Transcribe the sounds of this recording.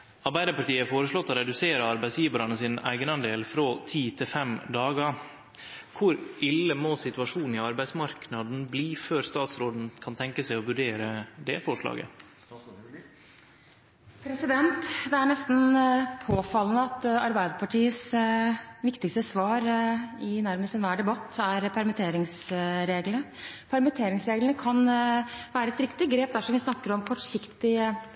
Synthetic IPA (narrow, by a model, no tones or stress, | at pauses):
ɑɾbæɪd̪əɾpɑʈiːəfoːɾəʂlɔt̪ːɔɾɛd̪ʉseːɾəɑɾbæɪsjiːʋəɾɑnəsiːnæ̰ɪɡənɑnd̪eːlfɾoːt̪ʰiːt̪ʰɪlfɛmd̪ɑːɡə | kʰʊɾʔɪlːəmoːsɪt̪ʉɑʂuːn̩ɪɑɾbæɪsmɑɾknɑd̪n̩bliːføːɾst̪ɑːt̪sɾoːd̪n̩kʰɑnt̪ʰɛŋkəsæɪɔʋʉɖeːɾəd̪ɛfɔʂlɑ̰ːɡə̰ | pʰɾɛsɪd̪ɛnt̪d̪ɛæɳɛst̪npʰoːfɑlːənəɑt̪ɑɾbæɪd̪əpʰɑʈʰiːəs | ʋɪkt̪ɪkst̪əsʋɑːɾɪnæɾməst̪ɛnʋæːɖɛbɑt̪ːæɾpʰæɾmɛt̪ʰeːɾɪŋsɾeːɡlənə | pʰɑɾmət̪ʰeːɾɪŋsɾeːɡlənəkʰɑnʋæːɾəɛt̪ɾɪkt̪ɪɡɾeːp̚d̪æɾʂɔmʋɪsnɑkːəɾɔmkʰɔʈʂɪkt̪ɪ